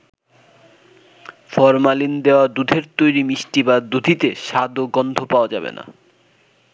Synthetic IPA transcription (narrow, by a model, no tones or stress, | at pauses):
fɔɾmalind̪eoad̪ud̪ʱeɾt̪ojɾimiʃʈibad̪ud̪ʱit̪eʃad̪oɡɔnd̪ʱopaoad͡ʑabḛna̰